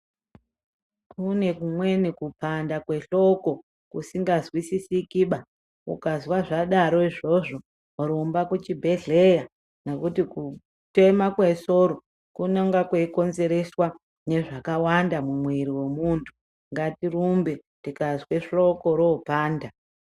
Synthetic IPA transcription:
kʰune̞kumwe̞nikupandakwe̞ɬo̞ko̞ | kusiŋɡazwisisikiɓa | ṵkazwaʐaɗaɾo̞iʐo̞ʐo̞ | ɾombakut͡ʃibʱe̞ɮe̞ja | nekutiku | te̞makweso̞ɾo | kunaŋɡakweiko̞nze̞ɾe̞swa | ne̞ʐakawandamumwiɾiwemuntʰu̥ | ŋɡatirumbe | tikazwe̞ʂo̞ko̞ɾoːpaːnda

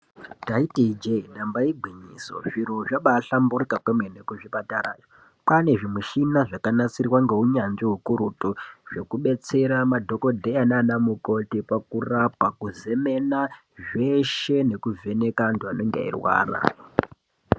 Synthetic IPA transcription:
taitiid͡ʒenambaiɡʱwiɲḭːso̞̰ʐiɾo̞ʐaɓaːɬamburikakemwenekuʐipataɾa̰ːjo | pane̞ʐimuʃinaʐakanat͡sirwaŋɡe̞ɦuɲand͡ʒiɦukuɾutuʐe̞kuɓe̞t͡se̞ɾamadʱo̞ko̞dʱeananamuko̞tipakurapakuze̞me̞na | ʐe̞ʃe̞ne̞kuve̞ne̞kantuano̞ŋɡḛḭrwa̰ːra̰

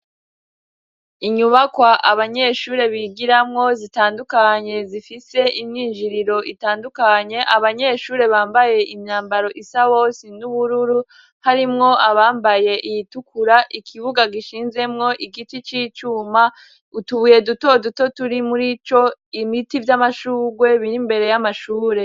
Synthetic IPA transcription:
iɲuβakwaʔaβaɲe̞ʃuːɾe̞βiɡiɾamŋo̞zitaːndukaɲe̞zifise̞ʔimɲiːnd͡ʒiɾiɾo̞ʔitaːndukaɲe̞ʔaβaɲe̞ːʃuːɾe̞βaːmbaje̞ʔimɲaːmbaɾo̞ʔisaβo̞sinuβuɾuɾu | haɾimŋo̞ʔaβaːmbaje̞ʔijitukuɾaʔikʰiβuɡaɡiʃiːnze̞mŋo̞ʔiɡitit͡ʃiːt͡ʃuːma | utuβuje̞duto̞duto̞tuɾimuɾit͡ʃo̞imitivjamaʃuːɡwe̞βiɾimbe̞ɾe̞jamaʃuːɾe̞

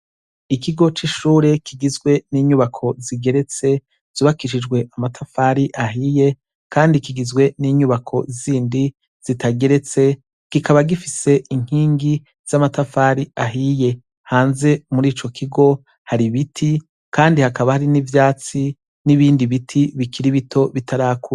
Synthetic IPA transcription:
ikiɡo̞t͡ʃiʃuːɾe̞kiɡizɡwe̞niːɲuβakʰo̞ziɡe̞ɾe̞t͡se̞ | z̥uːβakiʃid͡ʒɡwe̞ʔamatʰafaːɾiʔaɦije̞ | kʰaːndikiɡizɡwe̞niːɲuβakʰo̞ziːndi | z̥itaɡe̞ɾe̞t͡se̞ | ɡ̥ikʰaβaɡifise̞ʔiŋ̥hiːŋɡi | z̥amatafaːɾiaɦije̞ | haːnze̞muɾiːt͡ʃo̞kʰiɡo̞ | haɾiβitʰi | kaːndihakaβahaɾinivjaːt͡si | niβiːndiβitʰiβikʰiɾiβitʰo̞βitʰaɾaːku

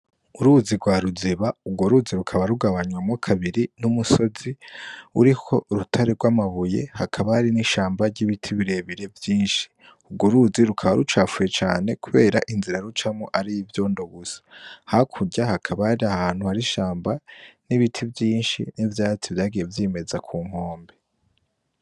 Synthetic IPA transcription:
uɾuziɡwaːɾuziβauɡwo̞ɾuziɾukʰaβaɾuɡaβaɲwamokʰaβiɾinumuso̞ziuɾikʰo̞ɾutʰaɾeɡwamaβuje̞̰hakʰaβahaɾiniʃaːmbaɾɟiβitʰiβiɾe̞βiɾe̞vjiːnʃi̥ | uɡuɾuziɾukʰaβaɾut͡ʃaːfuje̞t͡ʃa̰ːne̞kuβe̞ːɾaʔinziɾaɾut͡ʃamoʔaɾijivjo̞ːndo̞ɡusḁhakʰuɟahakʰaβahaɾiahaːn̥huhaɾiʃaːmbaniβitʰivjiːnʃḭnivjaːt͡sivjaːɡije̞vjiːme̞zakʰuːŋ̥ho̞ːmbe

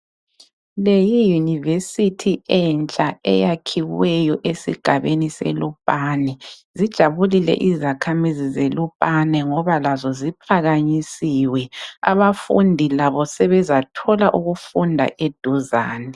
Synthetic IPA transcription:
lejijunivesitʰiɛnt͡ʃʼaɛ̰jakʰiwɛjɔʔesḭɡ̥ʱaβenisɛ̰lupʼanɛzid̥ʒ̥ʱaβulilɛ̰ʔizakʰamizizelupʼanɛŋɔβalazɔzipʰaɣaɲisiwɛa̰βafṵndʱilaβɔsɛβɛzatʰɔlaʔuɣufundʱa̰ʔed̥ʱuzaːnɛ

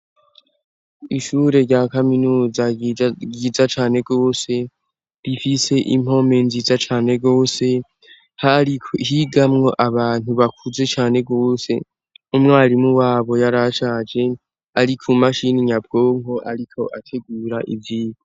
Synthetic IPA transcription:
iʃuːɾe̞ɾɟakaminuːzaɡizat͡ʃaːne̞ɡo̞ːse̞ | ɾifise̞ʔim̥o̞me̞nziːzat͡ʃaːne̞ɡo̞ːse̞ | haɾiɦiɡamŋo̞ʔaβaːn̥uβakʰuze̞t͡ʃaːne̞ɡo̞ːse̞ | umŋaːɾimuwaːβo̞jaɾaʃaːd͡ʒe̞ | aɾikʰumaʃiniɲab̚ɡ̥o̞ːŋko̞ʔaɾikʰo̞ʔatʰe̞ɡuːɾaʔiviːɡo

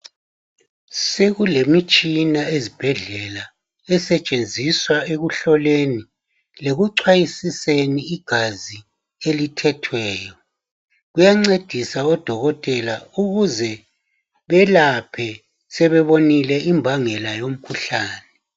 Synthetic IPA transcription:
seɣulemit͡ʃʼinaezib̥ʱɛɮɛla | ɛsɛt͡ʃʼend͡zʱiswaeɣuɬɔleni | leɣuǀʰwajisiseniːɡ̥ʱazi | elitʰɛtʰwɛːjɔ | ɣujaŋ͡ǀed̥ʱisaɔd̥ʱɔɣɔtʼɛlauɣuzɛ | βɛlapʰɛ | sɛβɛβonilɛʔimbʱaŋɛlajom̩kʰuɬaːnɛ

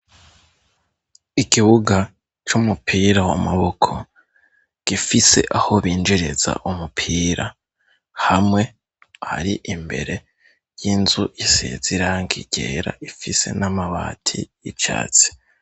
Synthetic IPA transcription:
ikiβuɡa | t͡ʃumupʰiːɾawomaβokʰo̞ | ɡ̥ifise̞̰ʔaho̞βiːnd͡ʒiɾeza̰ʔumupʰiːɾʔa | hamŋe̞ | ha̰ɾiʔimbe̞̰ɾe̞ | jinzujisḛz̥iɾaŋɡiɟ̥ḛɾa̰ʔifise̞̰namaβa̰ːtʰḭjit͡ʃa̰ːt͡si̥

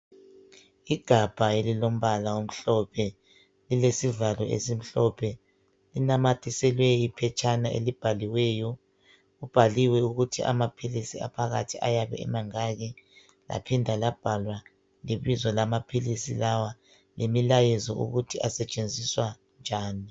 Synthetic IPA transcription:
iɡ̥ʱab̥ʱaelilom̩βalaom̩ɬɔpʰɛ | lilesivalɔʔḛsim̩ɬɔpʰɛ | linamatʰisɛlwɛipʰɛt͡ʃʼanaḛlib̥ʱaliwɛːjɔ | ɣub̥ʱaliwɛuɣutʰiʔa̰mapʰilisia̰pʰaɣa̰tʰiʔa̰jaβɛ̰ɛ̰maŋaɣi | la̰pʰindʱalab̥ʱalwa | liβizɔlamapʰilisḭlawa | lʔemilajɛzɔṵɣutʰiʔasɛt͡ʃʼend͡zʱiswa | nd͡ʒʱaːni

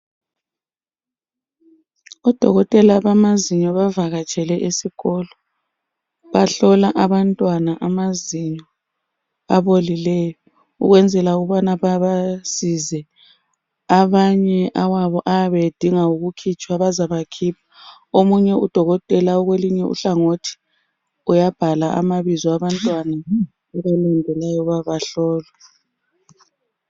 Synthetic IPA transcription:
ɔd̥ʱɔɣɔtʼɛlaβamaziɲɔβavaɣat͡ʃʼɛlɛʔisiɣɔlɔ | βaɬɔlaʔaβantʼwanaʔamaziɲɔ | aβolilɛjɔ | ṵɣwɛnd͡zʱɛlauɣuβanaβaβasizɛ | aβaɲɛʔawaβɔʔaβed̥ʱiŋauɣukʰit͡ʃʼwaβazaβakʰiːpʰḁ | omuɲɛud̥ʱɔɣɔtʼɛlauɣweliɲɛṵɬaŋotʰi̥ | ujab̥ʱalaʔa̰maβizɔaβantʼwana | ɛβalandʱɛlajɔβaβaɬɔːla

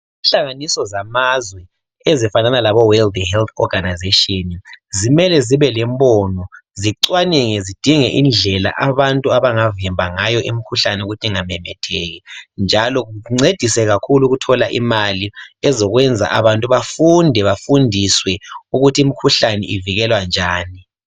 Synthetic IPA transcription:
inɬaŋanisɔzamazwɛ | ezifananalaβɔwɛld̪hɛlt̪ʰɔ̰ɡanazeʃɔnizimɛlɛziβɛlɛmbɔnɔziǀwanɛŋɛzid̥ʱiŋɛʔind͡ɮʱɛla̰ʔaβantʼuaβaŋavimbʱaŋajɔʔimikʰuɬanɛuɣutʰiŋamɛmɛtʰɛɣind͡ʒʱalɔɣuŋ͡ǀed̥ʱisɛɣakʰuluɣutʰɔlaʔḭmaliɛzɔɣwɛnd͡zʱa̰ʔa̰βantʼuβafundʱɛβafundʱiswɛuɣutʰiimikʰuɬanɛ̰ʔiviɣɛlwand͡ʒʱaːni

